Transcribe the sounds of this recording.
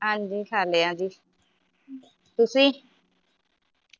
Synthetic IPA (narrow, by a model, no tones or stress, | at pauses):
ãnd͡ʒikaleãd͡ʒi | t̪usi